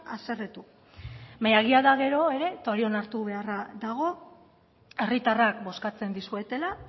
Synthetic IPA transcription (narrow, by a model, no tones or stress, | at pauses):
a̰se̞ret̪u | majaɣ̞iaðaɣ̞e̞ɾo̞e̞ɾe̞t̪oaɾio̞naɾt̪uβ̞e̞araðaɣ̞o̞ | e̞rit̪arakbo̞skat͡se̞nd̪isue̞t̪e̞la